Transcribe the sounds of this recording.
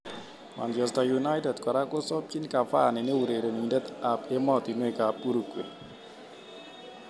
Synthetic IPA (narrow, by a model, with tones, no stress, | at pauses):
ma̰˨nd͡ʒɔ˨sta˨ju˨na˦jtɛ˨dkɔ˨ɾa˦kʊ˦sɔ˦p̚t͡ʃi˦nka˨fa̰˦˨nɪ˨ne˦u˨ɾe˨ɾe˨ni˨de˦t̪a˨pe˦mɔ˦˨t̪i˨nwe˦˨ka˨pːu˦ɾu˨kwḛ˨n